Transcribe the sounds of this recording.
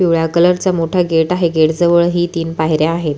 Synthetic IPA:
fiʋɭjakələɾt͡samoʈʰaɡeʈaɦeɡeʈd͡zəʋəɭɦiːt̪iːnpaɦjɾjaːɦet̪

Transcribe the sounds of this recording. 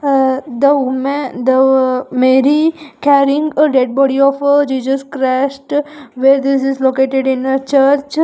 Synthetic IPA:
d̪əmd̪əmeɾikɛɾɪ̃ŋɡɖeɖ̚bɔɽiɔfd͡ʒiːsəskɾasʈʋeɾd̪ɪs̬ɪzlokeʈeɖɪ̃nt͡ʃəɾt͡ʃ

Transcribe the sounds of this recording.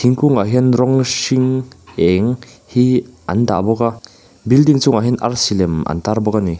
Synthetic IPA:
t̪ʰiŋkuŋaɦinrɔŋsiŋɛŋhiʔand̪a̰ʔbɔka | bildiŋt͡sʊŋaɦina̰rsilɛmʔa̰nt̪arbɔkani

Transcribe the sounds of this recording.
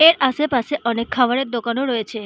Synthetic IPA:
eɾʔaʃepaseʔɔnekʰːabaɾeɾd̪okanoɾɔet͡ɕʰe

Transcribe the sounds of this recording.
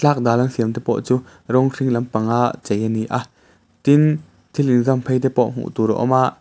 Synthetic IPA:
t͡ɬak̚d̪aːlɐnsiəmt̪ɛpɔ̰ʔt͡suː | ɾɔŋriŋlɐmpaŋaʔt͡sɛjaniʔa | t̪in | t̪ʰilinzɐmpʰejt̪ɛpɔʔm̥ṵʔt̪uɾɔ̰ʔɔ̰maʔ

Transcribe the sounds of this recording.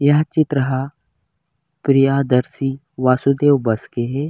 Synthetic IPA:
jaɦt͡ʃɪt̪ɾəɦa | pɾijaːd̪ɐɾsi | ʋaːsud̪eːwbɐskeɦe

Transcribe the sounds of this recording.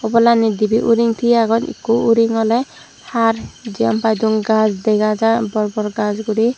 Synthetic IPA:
ɔbɔlanid̪ibiʔuɾiŋt̪ʰiaɡɔnḭkuuɾiŋɔle | hʰaɾd͡ʒiɔmpajd̪uŋɡad͡ʒd̪ɛjɡad͡ʒabɔɾbɔɾɡad͡ʒɡuɾi

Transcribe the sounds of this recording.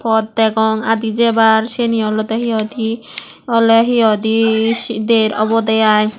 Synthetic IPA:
pʰɔd̪ːɛɡɔŋad̪id͡ʒebaɾʃeniɔlɔt̪ɔɦiɔd̪i | ɔlɔɦiɔd̪iʃid̪eɾɔ̰bɔd̪ajaj

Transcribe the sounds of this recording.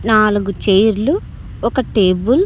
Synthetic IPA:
naːluɡut͡ʃejɾlu | ɔkɐʈeːbul

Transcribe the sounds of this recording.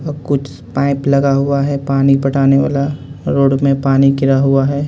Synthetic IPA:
kʊt͡ʃʰ | paːɪplɐɡaɦuaɦɛpaːnipɐʈaːneʋa̰ːlaɾoːɽmẽpaːnikɪɾaɦuaɦɛː

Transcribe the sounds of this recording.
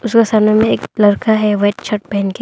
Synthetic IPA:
ʊskasaːnomẽeːklɐɾkaɦɛʋɛːʈt͡ʃʰɐʈ̚pɛɦnke

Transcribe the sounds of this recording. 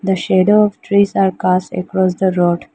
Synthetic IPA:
d̪əʃeɖoɔʋʈʰɾiːzaːɾkasʈə̰kɾɔs̬d̪əɾoːɖ

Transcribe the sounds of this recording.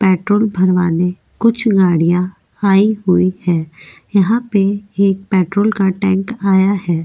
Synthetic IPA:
pɛːʈɾoːlbʱɐɾʋaːne | kʊt͡ʃʰɡaːɽijã | aːiɦʊihɛːjɐɦãpeeːk̚pɛːʈɾoːlkaʈɛ̃ːŋkaːjahɛː

